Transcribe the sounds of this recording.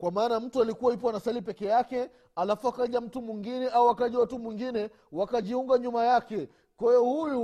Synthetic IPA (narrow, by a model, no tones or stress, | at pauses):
kwamaːnam̩tualikuwaip̬wanasalipɛkɛjakɛ | alafuakaʄam̩tumwiŋɡinɛauakaʄɛwatumwiŋɡinɛ | wakaʄiuŋɡaɲumajakɛ | kahɛjɔhuju